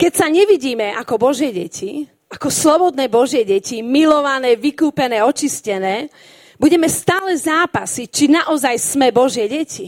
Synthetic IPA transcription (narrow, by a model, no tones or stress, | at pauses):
kɛcsaɲɛʋiɟiːmɛʔakɔbɔʒjɛɟɛcʰi | akɔslɔbɔd̪nɛːbɔʒɪɛɟɛcimilɔʋanɛːʋikuːpɛnɛːɔt͡ʃiscɛnɛː | buɟɛmɛst̪aːlɛzaːpasit͡ʃinaʔɔzajsmɛbɔʒɪɛɟɛci